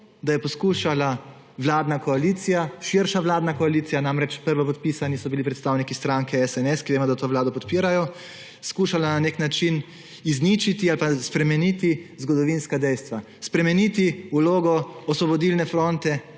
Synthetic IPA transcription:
d̪ajɛpɔskuːʃala | ʋlaːd̪nakɔaliːt̪sijaʃiɾʃaʋlaːd̪nakɔalit̪sijanamɾɛt͡ʃpəɾʋɔpɔt̪̚piːsanisɔbilipɾɛt̪st̪aːwnikist̪ɾaŋkɛɛsɛnɛskiʋeːmɔd̪at̪oːʋlaːd̪ɔpɔt̪piːɾajɔ | skuːʃalananeknat͡ʃin | iznit͡ʃit̪ialpaspɾɛmɛnit̪izɡɔd̪ɔʋinskad̪ɛjst̪ʋa | spɾɛmɛnit̪iuloːɡɔɔsʋɔbɔd̪ilnɛfɾont̪ɛ

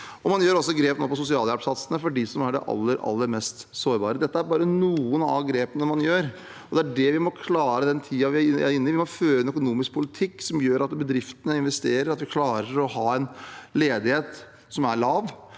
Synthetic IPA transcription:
ɔmɑnjøːɾɔsːɔɡɾeːpnoːpɔs̬ʊsɪɑːljæpsɑt̪sənəfɔɖɪsɔmæɖɛ̰ʔɑ̰lːəɾʔɑ̰lːəɾmɛst̪soːɾbɑ̰ːɾəd̪ɛt̪ːəæɾbɑːɾənuːənɑ̰ɡɾeːpənəmɑnjøːɾ | ɔd̪ɛæɖɛʋɪmɔkʰlɑːɾəd̪ɛnt̪ʰiːɑʋɪæɾɪnːɪʋɪmɔføːəɛnœkʊnuːmɪsk̚pʰʊlɪt̪ʰɪkːsɔmjøːɾɑt̪bəd̪ɾɪft̪ənəɪnʋɛst̪eːɾəɾɑt̪ʋɪkʰlɑːɾəɾɔhɑːɛnleːd̪ɪheːt̪ | sɔmæɾɭɑːʋ

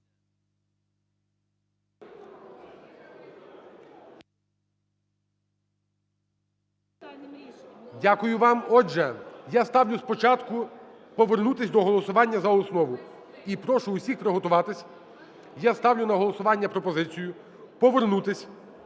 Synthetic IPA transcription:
dʲakʊjʊʋɑmɔʒɛjast̪ɑwlʲʊspɔt͡ʃɑt̪kʊ | pɔʋernut̪ɪsʲd̪ɔɦɔlˠɔsʊʋɑnʲːɐzɐɔsnɔʋʊ | ipɾɔʃʊʊsʲixpɾɔɦɔt̪ʊʋɑt̪ɪsʲ | jast̪ɑwlʲʊnɐɦɔlˠɔsʊʋɑnʲːɐpɾɔpɔzɪt͡sʲijʊ | pɔʋernut̪ɪsʲ

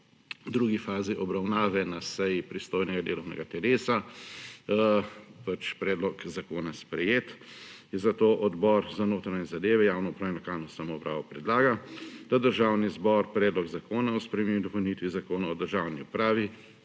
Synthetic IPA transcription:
d̪ɾuːɡifaːziʔɔbɾawnaːʋɛnasɛjipɾist̪oːjnɛɡad̪eːlɔwnɛ̰ɡat̪ɛleːsa | pat͡ʃpɾɛːd̪lɔkzakoːnaspɾɛjeːt̪ | inzat̪oːʔɔd̪bɔɾzanoːt̪ɾaɲɛzad̪eːʋɛjaːwnɔupɾaːɛnlɔkalnɔsamɔpɾa̰ːʋɔpɾɛd̪laːɡad̪ad̪əɾʒaːwnizbɔɾpɾɛːd̪lɔɡzakoːnaɔspɾɛmemd̪ɔpɔwnit̪ʋizakoːnaɔd̪əɾʒawniṵpɾaːʋi

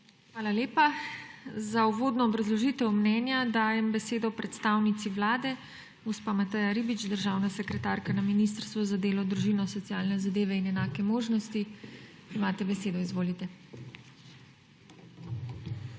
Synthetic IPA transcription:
xʋaːlaleːpa | zauʋoːd̪nɔːbɾazlɔʒiːt̪ɛwmnɛnjad̪aːjɛmbɛseːd̪ɔpɾɛt̪st̪awnit̪siʋlaːd̪ɛ | ɡɔspamat̪əjaɾiːbit͡ʃd̪əɾʒaːwnasɛkɾɛt̪aːɾkanaminist̪əɾst̪ʋɔzad̪eːlɔd̪ɾuʒiːnɔsɔt̪siaːlnɛzad̪eːʋɛinɛnaːkɛmoːʒnɔst̪i | imaːt̪ɛbɛseːd̪ɔizʋoːlit̪ɛ

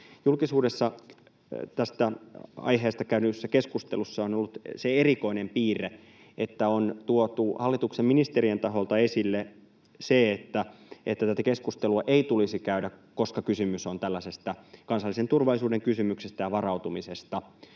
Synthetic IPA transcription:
julkisuːdesːɑ | t̪æst̪æɑ̰jɦeːst̪ɑkæynysːækeskust̪elusːɑonolːut̪seeriko̞inempiːre | et̪ːæont̪uot̪uhɑlːit̪ukseminist̪eɾrient̪ɑɦolt̪ɑesilːe | seet̪ːæet̪ːæt̪æt̪ækeskust̪eluɑʔeit̪ulisikæydækoskɑkysymysont̪ælːæsest̪ækɑnsɑlːisent̪urʋɑlˑisuːdeŋkysymyksest̪æjɑʋɑrɑut̪umisest̪ɑ

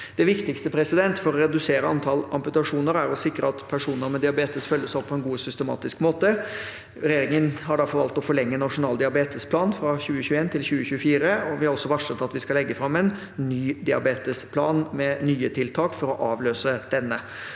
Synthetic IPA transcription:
d̪̥ɛʋɪkt̪ɪkst̪əpʰɾɛsɪd̪ɛnt̪fɔɾɔɾɛd̪ʉseːɾəɑnt̪ʰɑlɑ̰mpʉt̪ɑʂuːnəɾæɾɔsɪkɾə̰ɑt̪pʰæʂuːnəɾmɛd̪ɪɑbeːt̪əsfœlːəsɔpʰːɔɛnɡuːsʏst̪ɛmɑ̰ːt̪ɪskmoːt̪ə | ɾɛjeːɾɪŋənɦɑɖɑfɔɾʋɑlt̪ɔfɔɭɛŋːəɛnːɑʂʊnɑːld̪ɪɑbeːt̪əspʰlɑːnfɾɑɕʉːəçʉːəeːnt̪ʰɪlçʉːəçʉːəfiːɾəɔʋɪhɑɾɔsːɔʋɑʂət̪ːɑt̪ʋɪskɑlɛɡːəfɾɑmːɛn | nyːd̪ɪɑ̰beːt̪əspʰlɑːnmɛnyːət̪ʰɪlt̪ʰɑːkfɔɾɔʔɑːʋløːsəd̪̥ɛnːə

